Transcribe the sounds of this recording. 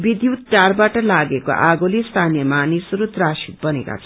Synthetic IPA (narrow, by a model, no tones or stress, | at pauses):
bid̪jut̪̚ʈarbaʈʌlaɡeko̰ʔaɡolest̪ʰanijʌmanisʌɾut̪rasik̪̚bʌnḛka̰t͡sʰʌ